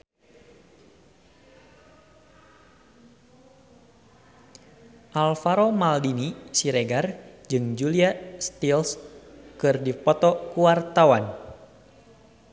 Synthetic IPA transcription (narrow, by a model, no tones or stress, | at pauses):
ʔalfaɾomaldinisiɾɛɡard͡ʒɨŋd͡ʒuliast̪ilskɨrdipɔt̪ɔkuwart̪awan